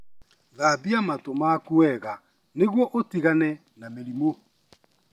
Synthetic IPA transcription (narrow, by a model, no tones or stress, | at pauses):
ðabiamatomakuɛɣa | neɣwɔʔotiɣanɛ | nameɾimo